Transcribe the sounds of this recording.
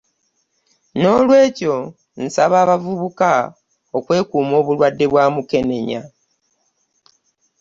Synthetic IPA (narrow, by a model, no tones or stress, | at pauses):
no̞lwe̞ːco̞ | n̩saβaːβavuβuka | okwe̞ːkuːmo̞ːβulwadːe̞βwaːmuke̞ne̞ɲa̰